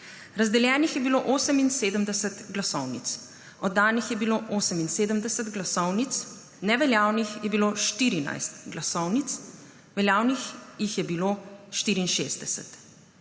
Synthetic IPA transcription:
ɾazd̪ɛljɛːnixjɛbiloːʔoːsəminseːd̪əmd̪ɛsət̪ɡlasɔwnḭt̪s | ɔd̪ːaːnixjɛbiloːʔoːsəminseːd̪əmd̪ɛsət̪ɡlasɔwnit̪s | nɛʋɛljaːwnixjɛbiloːʃt̪iːɾina̰jst̪ɡlasɔwnit̪s | ʋɛljaːwnixjixjɛbiloːʃt̪iːɾiːnʃḛːzd̪ɛsɛ̰t̪

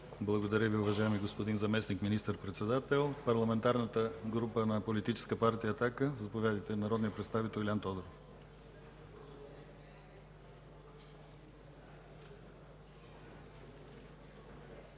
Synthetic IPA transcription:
blˠɐɡod̪ɐɾʲəviʊvɐʒajɛmiɡospod̪inzɐmɛsnikminist̪əɾpɾɛt̪sɛd̪at̪ɛlˠpɐɾlˠɐmɛnt̪aɾnət̪əɡɾupənɐpolit̪it͡ʃɛ̥skəpaɾt̪ijəːt̪akəzɐpovʲjad̪əjt̪ɛnɐɾɔd̪nijəpɾɛt̪st̪avit̪ɛlˠilʲant̪ɔd̪ɾof

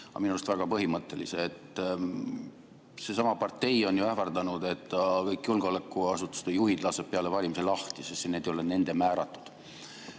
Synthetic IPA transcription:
ɑ̰minust̪væɡ̥ɑpɤɦimɤt̪ːˑe̞lḭseːt̪ˑː | se̞sɑmɑpɑrt̪ːe̞jo̞njuæhfɑrd̪̥ɑnud̪̥e̞t̪ːˑɑkɤjkːˑjulɡ̥o̞lekːˑuɑsut̪ːˑu̥sd̪̥ejuhid̪lɑseb̥̚pːeɑle̞vɑlʲimiselɑht̪isest̪ːene̞d̪ejolene̞nd̪̥e̞mæːɾɑt̪ˑːu̥d̪̥

